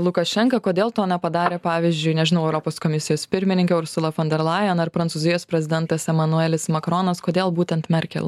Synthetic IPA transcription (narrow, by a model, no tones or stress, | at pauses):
lˠʊkɐʃʲɛŋkɐkoːd̪ʲeːlˠt̪oːnʲɛpɐd̪ɑːɾʲeːpɑːʋʲɪzʲd͡ʒʲʊɪnʲɛʒʲɪnɐʊɛʊɾɔpoːskɔmʲɪsʲɪjoːspʲɪɾʲmʲɪnʲɪŋkʲɛʊɾsʊlˠɐfɔnʲd̪ʲɛɾlˠɑːjɛnɐɾpɾɐnsʊːzʲɪjoːspʲɾʲɛzʲɪd̪ʲɛnt̪ɐsɛmɐnʊɛlʲɪsmɐkɾoːnɐskoːd̪ʲeːlˠbuːt̪ʲɛnt̪mʲɛɾʲkʲɛ̰lʲˠ